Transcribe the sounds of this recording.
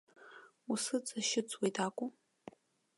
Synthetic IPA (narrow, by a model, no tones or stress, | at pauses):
usɨt͡sʼaʃɪt͡sʼwejtʰʼaːkʷʼʊ